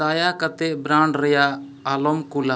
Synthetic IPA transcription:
ajakat̪ɛʔbɾãɳɖɾɛjaː | lɔmkula

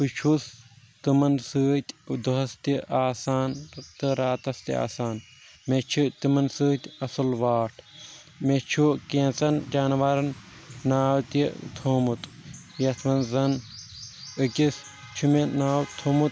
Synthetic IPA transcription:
pɨt͡ʃʰus | t̪ɨmɐnsɨːt̪ʲd̪uɦɐst̪iʔaːsaːnt̪ɨɾaːt̪ɐst̪ia̰ːsaːn | met͡ʃʰut̪imɐnsɨːt̪ʲɐsɐlʋaːʈʰ | met͡ʃʰukẽːnt͡sɐnd͡ʒaːnʋɐɾɐnnaːwt̪it̪ʰoːmut̪ | jɐt̪ʰʋɐnzɐn | ɨkʲis | t͡ʃʰumenaːwt̪ʰoːmut̪

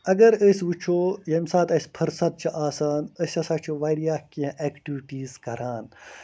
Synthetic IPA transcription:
ɐɡɐɾəsʲʋut͡ʃʰoːjɐmsaːt̪ɐsʲpʰɐɾsɐt̪̚t͡ʃʰiʔaːsaːnəsʲɐsaːt͡ʃʰiʋaːɾijaːkiɐ̃ʔeːkʈiʋiʈiːzkɐɾaːn

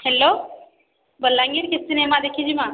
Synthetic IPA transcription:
hɛlːo | bəlːãːŋɡiɾkesɪnemãd̪eːkʰĩd͡ʒimãː

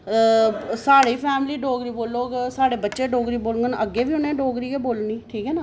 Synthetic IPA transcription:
saːɽiːpʰɛːmliːɖoːɡɾiːboːlːoːɡsaːɽeːbətːʃeːɖoːɡɾiːboːlŋɡənəɡːeːʋiːɦʊnẽːɖoːɡɾiːeːboːlniːʈʰiːkɦɛːnaː

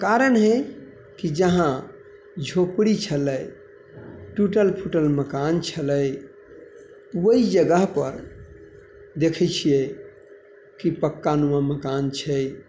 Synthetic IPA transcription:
kaɾənɦe | kid͡ʒəɦã | d͡ʒʱopɽit͡ʃʰələj | ʈuʈəlpʰuʈəlməkant͡ʃʰələj | wəid͡ʒəɡəɦpəɾ | d̪ekʰət͡ʃʰije | kipəkːanuwaməkant͡ʃʰɛ

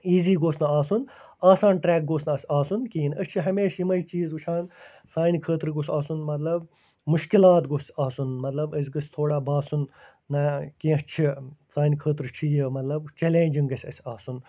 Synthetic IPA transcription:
iːziːɡoːsnɐaːsun | aːsaːnʈɾɛːk̚ɡoːsnɐsʲaːsunkiːnɐst͡ʃʰiɦɐmeːʃjimɐjt͡ʃiːzʋut͡ʃʰaːn | saːnʲkʰəːt̪ɾɡosʲaːsunmɐt̪lɐb̚ | muʃkilaːt̪ɡosaːsunmɐt̪lɐbəs̬ʲɡɐsʲt̪ʰoːɽaːbaːsunː | ɐkĩːɐst͡ʃʰisaːnʲkʰəːt̪ɾt͡ʃʰijimɐt̪lɐbt͡ʃelẽːnʲd͡ʒiŋɡɐsʲɐsʲaːsun

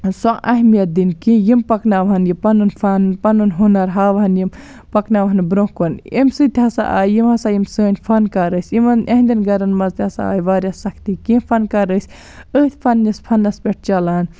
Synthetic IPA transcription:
sõʔɐɦmijɐt̪̚d̪inkĩjimpɐknaʋɐɦɐnjipɐnunfʰɐnpɐnunɦunɐɾɦaːʋɐɦɐnjim | pɐknaʋɐɦɐnbɾõkonimsɨt̪ʰʲɐsa̰ʔa̰ːjjimɐsajimsəːnʲpʰɐnkɐɾəsʲimɐnʔɐɦnd̪ʲɐnɡɐɾɐnmɐzt̪ʰʲɐsa̰a̰ːjʋaːɾʲjɐsɐkʰt̪ikĩpʰɐnkɐɾəsʲ | əːt̪ʰʲpʰɐnːispʰɐnːɐspʲeʈ̚ʰt͡ʃɐlan

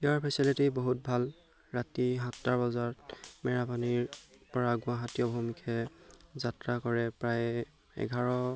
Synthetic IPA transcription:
eaɹpʰɛsilitiboɦut̚bʱal | ɹatiɦãtːaɹbɔzaɹmɛɹapaniɹpɔɹaɡʊ̃aɦatijɔbʱomikʰɛzatɹakɔɹɛpɹaj | ɛ̰ɡʱaɹɔ

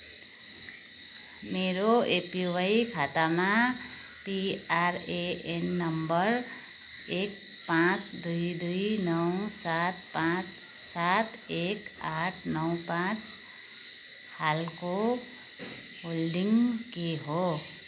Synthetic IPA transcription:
meɾoepiwajkʰat̪ama | piaɾeenːʌmbʌɾ | ek̚ | pãt͡sd̪ujd̪ujnʌwsat̪̚pãt͡s | sat̪ | ek | aʈʰnʌw̃pãt͡s | halko | ɦolɖiŋkeɦo

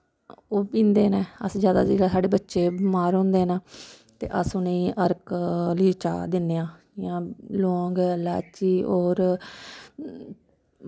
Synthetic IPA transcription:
oːpĩːnd̪eːnɛːə̰sd͡ʒjaːd̪a̰ːziːd̪aːsaːɖeːbətːʃeːbmaːɾɦõːnd̪eːnaː | t̪ḛːʔəsʊnẽiːʔəɾkliːt͡ʃa̰ːd̪ɪnːeːãː | jãːlõːŋɡla̰ːt͡ʃiːoːɾ

